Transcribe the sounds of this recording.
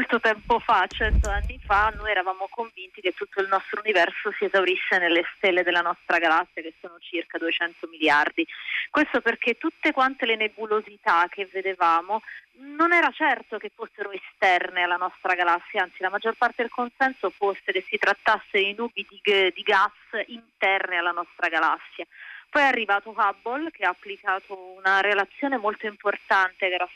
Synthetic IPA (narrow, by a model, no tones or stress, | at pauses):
molt̪ot̪ɛmpofat͡ʃɛnt̪oanːifanːojɛɾavaːmokoɱvint̪iket̪ːut̪ːoilnɔst̪ɾounivɛrsosiezawɾisːenelːest̪elːed̪elːanɔst̪ɾaɡalasːjakesːoːnot͡ʃirkad̪uet͡ʃɛnt̪omiljard̪ikwest̪operk̟et̪ːut̪ːekwant̪elenebulozit̪ak̟ːevːed̪evaːmo | nonɛːɾat͡ʃɛrt̪okefːosːeɾoest̪ɛrnealːanɔst̪ɾaɡalasːjaant̪silamad͡ʒːorpart̪ed̪elkonsɛnsofosːekesːit̪ɾat̪ːasːeinuːbid̪iɡd̪iɡasint̪ɛrnealːanɔst̪ɾaɡalasːjapɔjɛarːivaːt̪oabːolkeaːpːlikaːt̪ʰounaɾelat̪sːjoːnemolt̪oimport̪ant̪eɡɾa